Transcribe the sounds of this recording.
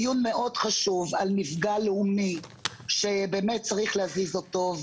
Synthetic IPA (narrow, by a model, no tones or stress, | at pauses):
junme̞ʔo̞d̥χaʃuvalmifɡaleumi | ʃe̞be̞ːmet̚t͡saʁiχlehazizotov